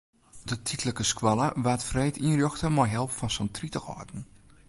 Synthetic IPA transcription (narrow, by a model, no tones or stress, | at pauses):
d̥ətʰitləkəskwɔlˠəʋatfrɛjtʰiənrjɔxtəmɔjɦɛlˠpfɔnsəntritəxɔ̰rdn̩